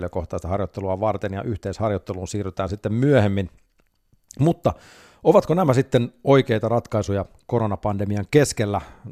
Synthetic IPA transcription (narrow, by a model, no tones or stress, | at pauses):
løkoht̪ˑɑist̪ɑhɑrjot̪ːeluɑʋɑrt̪enjɑ̰ʔyht̪eishɑrjot̪ːeluːnsiːryt̪æːnsit̪ːemmyøhemːin | mut̪ːɑ | oʋɑt̪konæmæsit̪ːenoikeit̪ɑrɑt̪kɑisujɑkoɾonɑpɑndemiɑŋkeskelːæ